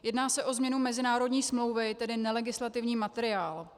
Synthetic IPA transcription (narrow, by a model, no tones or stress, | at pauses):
jɛdnaːsɛʔo̞zmɲɛnumɛzɪnaːɾo̞dɲiːsmlo̞wvɪt̪ɛdɪnɛlɛɡɪslat̪ɪvɲiːmat̪ɛɾɪaːl